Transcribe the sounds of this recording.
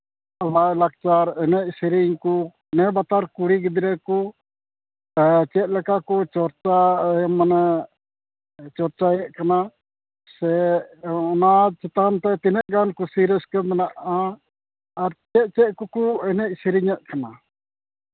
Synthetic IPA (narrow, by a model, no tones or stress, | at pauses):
awaʔlak̚t͡ʃaɾɛnɛc̚siɾiɲku | nɛbat̪aɾkuɽiɡɛd̪ɾɛku | t͡ʃɛt̪̚ˀlɛkakɔt͡ʃɔɾt͡ʃamanɛ | t͡ʃɔɾt͡ʃajɛʔkana | sɛ | ɔnat͡ʃɛt̪ant̪ɛt̪inɛʔ̚ɡankusiɾɛskɛmɛnaʔaː | ɾt͡ʃɛt̪̚t͡ʃɛt̪̚kɔkuɛnɛc̚siɾiɲaʔ̪̚kana